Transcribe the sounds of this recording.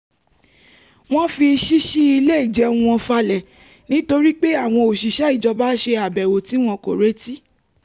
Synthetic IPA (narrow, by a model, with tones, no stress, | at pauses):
w̃ɔ̃˦fi˧ʃi˦ʃi˦i˧le˦i˦˨d͡ʒɛ˨˧wũ˧ɔ̃˧fa˧lɛ˨ | nĩ˦to˧ɾi˦k͡pe˦a˦˨w̃ɔ̃˧o˨ʃi˨ʃɛ˦i˦˨d͡ʒɔ˧ba˦ʃe˧a˨bɛ˨wo˨ti˨˦w̃ɔ̃˧ko̰˨ɾe˦ti˦